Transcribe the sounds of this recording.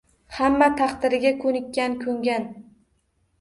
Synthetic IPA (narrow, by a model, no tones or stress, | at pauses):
hamːat̪ʰaqt̪ɪɾɪɡʲakʰɵnɪkʲːankʲʰɵŋɡʲan